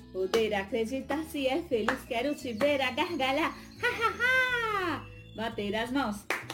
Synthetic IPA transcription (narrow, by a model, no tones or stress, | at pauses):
od̪eɾakʰɾed͡ʒit̪asiɛfʰeliskɛɾut͡ʃʰibeɾaɡaɦɡala | haɦaɦa | bat̪eɾaznɔs